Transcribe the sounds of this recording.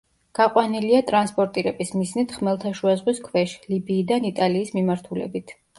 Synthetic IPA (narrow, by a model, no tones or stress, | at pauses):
ɡ̥aqʼwaniliat̪ʼɾanspʼɔɾt̪ʼiɾɛbismiznit̪ʰχmɛlˠt̪ʰaʃuazʁwiskʰwɛʃlibiːd̪anit̪ʼaliːsmimaɾt̪ʰulɛ̰bit̪ʰ